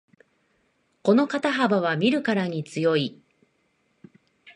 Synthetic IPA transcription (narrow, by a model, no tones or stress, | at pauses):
ko̞no̞kat̪aɦabaβ̞amʲiɾɯ̟kaɾaɲ̟it͡sɨjo̞i